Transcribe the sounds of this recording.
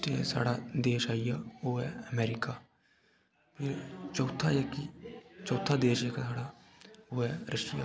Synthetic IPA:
ʈḛsa̰ːɽad̪eːʃaːijaoːɦɛəmɛːɾɪkaː | pʰɪɾt͡ʃɔːt̪ʰajakit͡ʃɔːt̪ʰːad̪eːʃekasaːɽa | oːɦɛɾəʃɪja̰ː

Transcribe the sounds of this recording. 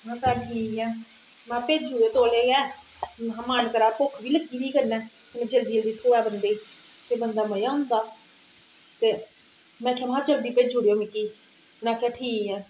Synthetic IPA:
ɦãːt̪aːɖʰiːiɛ̃ː | mɛ̃ːpeːd͡ʒuːeːt̪oːleːɛː | ɦãːmaːnkəɾaːpokʰbiːləɡiːdiːkənɛ̃ː | k̪ɪmɛ̃ːd͡ʒəld̪iːəld̪iːt̪ʰoːɛːbənd̪eːit̪eːbənd̪aːməjãːʊ̃nd̪aː | t̪eː | mɛ̃ːkʰaːmɦãːd͡ʒəld̪iːpeːd͡ʒuːɽejoːmɪkiː | nãːkʰaːʈʰiːkiɛ̃ː

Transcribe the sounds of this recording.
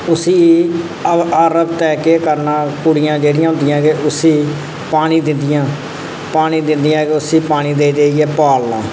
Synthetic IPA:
ʊsiː | aːɾəbt̪ɛːkeːkəɾnãːkʊɽɪjãːd͡ʒeːɽɪjãːɦʊ̃nd̪ɪjãːkeʔʊsiː | paːniːd̪ɪnd̪ɪjãː | paːñiːd̪ɪnd̪ɪjãːkeʊsiːpaːniːd̪eːd̪eːiɛːpaːlnã̰ː

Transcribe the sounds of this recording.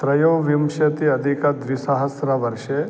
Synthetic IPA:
t̪ɾɐjoːʋimʃɐt̪iɐd̪ʱikɐd̪ʋisɐɦɐsɾɐʋɐɾʃe

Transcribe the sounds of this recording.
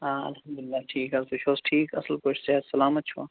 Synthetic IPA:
ɦaːɐ̰lhɐmd̪ʊlɪlːaːʈʰiːkɐbʊʃʰoːsʈʰiːkɐsəlkot͡ʃʰsesɐlaːmɐt̪̚ːt͡ʃʰua̰ː

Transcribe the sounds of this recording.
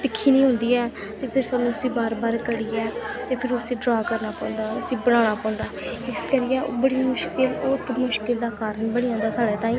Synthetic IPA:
d̪ɪkʰːiːnĩːɦʊnd̪iːɛː | t̪eːpʰɪɾsaːnːũːʊsiːbaːɾbaːɾkəɽiːɛːt̪eːpʰɪɾʊsiːɖɾaːkəɾnaːpãːʊnd̪aːʊsiːbəɽ̃ãːɽ̃aːpãːʊ̃nd̪aːɪskəɾɪjɛːbəɽiːmʊʃkɪlot̪mʊʃkɪld̪aːkaːɾəɳbəɽ̃iːãːnd̪aːsaːɽeːt̪ãːĩː

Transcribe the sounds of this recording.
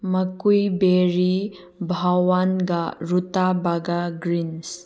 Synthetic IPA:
mɐkujbeɾi | bʱawanɡaɾutabaɡaɡɾins

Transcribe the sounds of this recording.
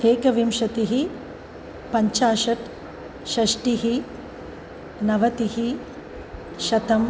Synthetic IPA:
t̪eːkɐʋimʂɐt̪iɦi | pɐɲt͡ʃaːʃɐʈ | ʃɐʂʈiɦi | nɐʋɐt̪iɦi | ʃɐt̪ɐm

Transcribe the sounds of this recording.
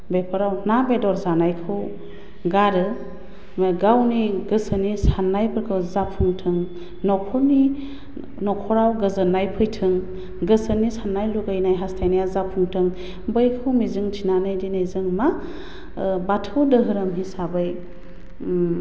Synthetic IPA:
bepʰɯɾawnabedɔɾzanajkʰɯw | ɡaɾɯ | ɡawniɡɯsənisanːajpʰɯɾkʰɯwzapʰːuŋtʰɯŋ | nɔkʰɔni | nɔkʰɔɾawɡɯzɯnajpʰɯjtʰɯŋ | ɡɯsənisanːajluɡajnajɦastʰajnajazapʰuŋtʰɯŋ | bɯjkʰɯwmizɯŋtʰinanajdinɯjzɯŋma | batʰɯwdɯɦɯɾɯmɦisabɯj

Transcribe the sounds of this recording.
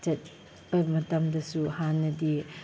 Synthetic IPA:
t͡ʃɐt̚ | b̥ɐmɐtɐmdɐsuhanːɐdi

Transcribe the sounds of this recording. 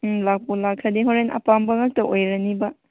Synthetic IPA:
lak̚pulakʰɐdeɦoɾenʔɐ̰pambɐŋɐk̚tɐʔojɾɐnibɐ

